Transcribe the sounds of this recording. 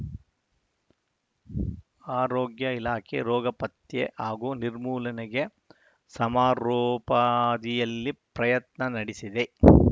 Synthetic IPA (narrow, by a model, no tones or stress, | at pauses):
aːɾoːɡjɐilaːkʰḛɾɔːɡɐpɐt̪jḛʔaːɡuːniɾmuːlɐnɛɡe̞ | sɐmaːɾoːpɐd̪ijɐlːipɾɐjɐt̪nɐnɐɽisid̪e